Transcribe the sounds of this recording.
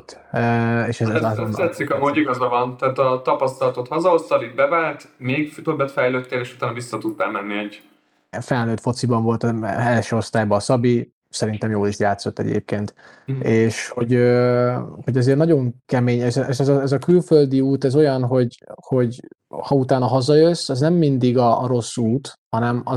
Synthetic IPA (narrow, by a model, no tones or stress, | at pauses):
t̪ | øeːʃɛzɛzznt̪ɛt̪sikɒmoːɟiɡɒzɒvɒnt̪ɛːt̪ɒt̪ɒpɒst̪ɒlɒt̪ot̪hɒzɒost̪ɒbid̪̚bɛvaːrt̪meːɡft̪øbːɛt̪fɛjløːt̪ːeːleːʃu̥t̪aːnɒvisːɒt̪ud̪̚t̪ɛmɛnːiɛɟ | fɛlnøːt̪fo̞t̪sibɒɱvo̞lt̪ɛlʃøːo̞st̪aːjbɒːsɒbi | sɛɾint̪ɛmjoːliʃjaːt̪so̞t̪ːɛ̰ɟḛːp̚keːnt̪ | eːʃho̞ɟø | ho̞ɟɒzeːrnɒɟo̞ŋkɛmeːɲɛʃɛɛʃɛzɒɛzɒkylføld̪iuːt̪ɛzo̞jɒnɦo̞ɟho̞ɟhɒut̪aːnɒɦɒzɒjøsːɛznɛmːind̪iɡɒːɾo̞sːuːt̪hɒnɛmɒ